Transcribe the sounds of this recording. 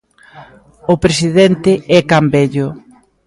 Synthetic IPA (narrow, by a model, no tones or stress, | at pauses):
ʊpɾesiðɛnt̪ɪɛkambɛʎʊ